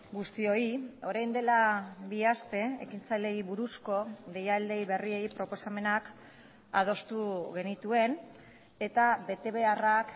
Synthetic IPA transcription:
ɡust̪io̞io̞ɾajnd̪e̞laβiast̪e̞ḛkint͡sajle̞iβuɾusko̞ðejald̪e̞jβe̞rie̞ipɾo̞po̞same̞nak | að̞o̞st̪uɣe̞nit̪ue̞n | e̞t̪aβe̞t̪e̞βe̞arak

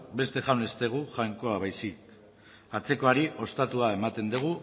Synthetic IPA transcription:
be̞st̪e̞ʝawne̞st̪e̞ɣ̞uʝajŋko̞aβajsik | at͡se̞ko̞aɾiʔo̞st̪at̪uae̞mat̪e̞nd̪uɣ̞u

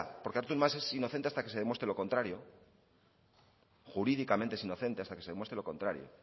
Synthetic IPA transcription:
po̞ɾkeaɾt̪unmase̞sino̞θent̪east̪ake̞se̞ðemwe̞st̪ɾelo̞ko̞nt̪ɾaɾjo | xuɾiðikamẽnt̪eesino̞θe̞nt̪e̞ast̪ake̞seemwe̞st̪ɾe̞lo̞ko̞nt̪ɾaɾjo̰

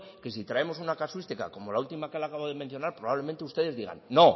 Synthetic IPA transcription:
ke̞sit̪ɾae̞mo̞sunakaswist̪ika̰ko̞molault̪imakealakaβoðeme̞nθjo̞naɾpɾo̞βaβle̞ment̪eust̪e̞ðe̞zðiɣa̰nːo̞

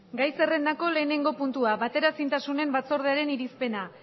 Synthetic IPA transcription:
ɡajse̞re̞nd̪ako̞le̞ːne̞ŋɡo̞punt̪uaβat̪e̞ɾasint̪asune̞mbat͡so̞ɾð̞eaɾe̞niɾispe̞na

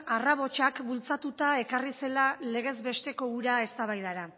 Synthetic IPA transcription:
araβo̞t͡ʃakbult͡sat̪ut̪ae̞karise̞lale̞ɣ̞e̞zbe̞st̪e̞ko̞uɾae̞st̪aβajðaɾa

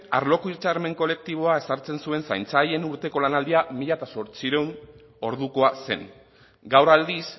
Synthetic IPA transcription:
aɾlo̞koit͡ʃaɾme̞ŋko̞le̞k̚t̪iβ̞o̞ae̞saɾt͡se̞nsue̞nsa̰jnt͡saje̞nuɾt̪e̞ko̞lanald̪iamiʎat̪aso̞ɾt͡siɾe̞wn | o̞ɾð̞uko̞ase̞̰n | ɡawɾald̪is

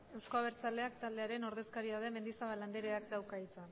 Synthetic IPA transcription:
e̞wsko̞aβ̞e̞ɾt͡sald̪e̞akt̪ald̪e̞aɾe̞no̞ɾð̞e̞skaɾiaðeme̞nd̪isaβaland̪eɾe̞ak̚d̪awkait͡sa

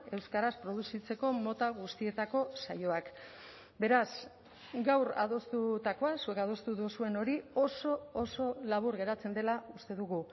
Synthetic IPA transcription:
e̞wskaɾaspɾo̞ð̞usit͡se̞ko̞mo̞t̪aɣust̪ie̞t̪ako̞sajo̞ak | be̞ɾas | ɡawɾa̰ðo̞st̪ut̪ako̞asuekað̞o̞st̪uðusue̞no̞ɾio̞so̞ːso̞laβ̞uɾɣe̞ɾat͡se̞nd̪e̞laust̪e̞ðuɣu

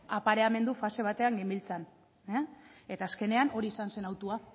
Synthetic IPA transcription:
apaɾe̞ame̞nd̪ufase̞β̞at̪e̞aŋɡimbilt͡san | ee̞t̪aːske̞ne̞ano̞ɾiːsanse̞nawt̪ua

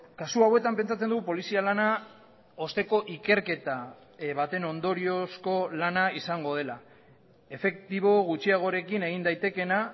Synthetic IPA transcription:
kasuawe̞t̪ampe̞nt͡sat͡se̞nd̪uɣupo̞lisialana | o̞st̪e̞ko̞ʔike̞ɾke̞t̪a | βat̪e̞no̞nd̪o̞ɾio̞sko̞lanaisaŋɡo̞ð̞e̞la | e̞fe̞kt̪iβo̞ɣ̞ut͡ʃiaɣ̞o̞ɾe̞kine̞ɣ̞ind̪ajt̪e̞ke̞na

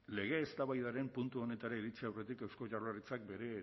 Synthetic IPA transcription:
le̞ɣ̞e̞ːst̪aβajðaɾe̞mpunt̪uo̞ne̞t̪aɾaiɾit͡siawre̞t̪ikewsko̞ʝararit͡sak̚be̞ɾe̞

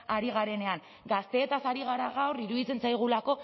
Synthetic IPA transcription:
aɾiɣ̞aɾe̞ne̞aŋ | ɡast̪e̞ːt̪asaɾiɣ̞aɾaɣawriɾuðit͡se̞nsajɣ̞ulako̞

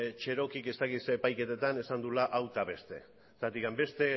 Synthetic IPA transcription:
t͡ʃe̞ɾo̞kike̞st̪akit̪seːpajke̞t̪et̪ane̞sand̪ulaʔawt̪aβe̞st̪e̞̰ | t̪at̪ikambe̞st̪e̞

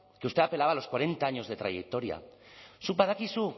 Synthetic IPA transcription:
keust̪e̞ape̞laβalo̞skwaɾẽ̞nt̪aaɲo̞zðe̞t̪ɾa̰jek̚t̪o̞ɾja̰supaðakisu

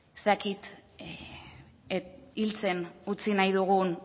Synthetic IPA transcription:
est̪akit̪ | ilt͡se̞nut͡sinajðuɣ̞un

